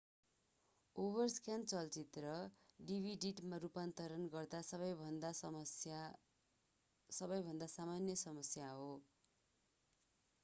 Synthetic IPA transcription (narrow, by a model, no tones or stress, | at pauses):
obʌrskant͡sʌlt͡sit̪rʌɖibʱiɖiʈmaɾupant̪ʌɾʌnɡʌrd̪asʌβʌjbʱʌnd̪aja | sʌbʌjbʱʌnd̪asamanjʌsʌmʌsjaɦo